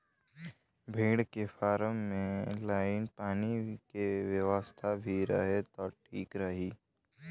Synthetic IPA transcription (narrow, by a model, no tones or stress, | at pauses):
bʱiːɽkefaːɾəmːẽlaːɪnpaːnikeʋjəʋəst̪ʰabʱiɾɐ̰ɦet̪ɔːʈʰiːkɾəɦiː